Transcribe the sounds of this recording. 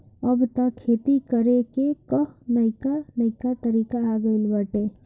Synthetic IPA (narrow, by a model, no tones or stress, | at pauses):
əbt̪akʰːeːt̪ikəɾekekənɐɪkanɐɪkat̪əɾiːkaaɡəɪlbəʈeː